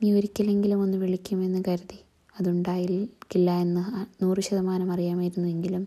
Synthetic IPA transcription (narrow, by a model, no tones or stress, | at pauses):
miːoɾikʲːɐle̞ŋɡilumo̞nːuʋiɭikʲːume̞nːɨkɐɾuði | ɐðuɳɖaːjikilːɐe̞nːɨnuːrɨɕɐðɐmaːnɐmɐrijaːmaːjiɾunːue̞ŋɡilum